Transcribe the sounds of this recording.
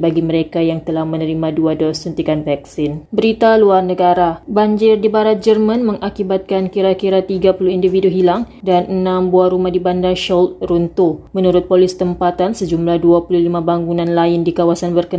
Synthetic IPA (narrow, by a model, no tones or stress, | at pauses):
baɡiməɾekajaŋt̪əlahmənəɾimãduadɔsunt̪ikanvɛk̚sɪnbəɾit̪aluarnəɡaɾabaɲd͡ʒɪrdibaɾat̪̚d͡ʒərmãnmə̃ŋʔakibat̪̚kankiɾakiɾat̪iɡapuluindifiduɦilaŋ | danənãmbuahɾumahdibandaŋʃɔlt̪̚runt̪umənuɾʊt̪̚polɪst̪əmpat̪ansəd͡ʒumlahduapululimãbaŋɡunãnlaɪndikawasanbərkə